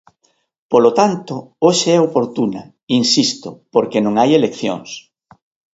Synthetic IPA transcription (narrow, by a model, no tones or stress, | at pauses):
polot̪ant̪ooʃeɛopoɾt̪unɐ̰ | insist̪opoɾkenõŋajelekθjo̰ŋs